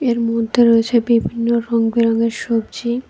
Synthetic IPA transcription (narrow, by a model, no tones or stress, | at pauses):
eɾmod̪ʱːeɾoet͡ɕʰebibʱinːoɾɔŋbiɾɔŋeɾʃobd͡ʑi